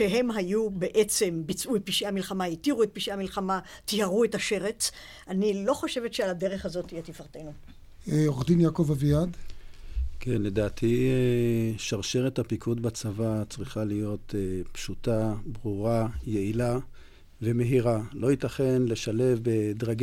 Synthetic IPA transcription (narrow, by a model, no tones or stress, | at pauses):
ʃeɦe̞mɦajube̞ʔet͡se̞mbit͡sʔuet̚piʃiamilχamaitiʁuet̚piʃiamilχama | tihaʁuetaʃe̞ʁet͡s | anilo̞χo̞ʃe̞vetʃealade̞ʁeχhazo̞tijet̪ifaʁt̪e̞nu | eoχd̪injakovavijad̪ | kenle̞d̪aːtʰieʃaʁʃeʁethapikʰudbat͡savat͡sʁiχalijo̞t̪epʃutabʁuʁajeila | ve̞me̞ɦiʁalo̞itaχenle̞ʃale̞fbed̪ʁaɡ